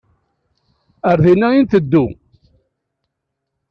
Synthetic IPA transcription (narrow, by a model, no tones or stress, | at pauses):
əɾðinːæint̪əd̪ːu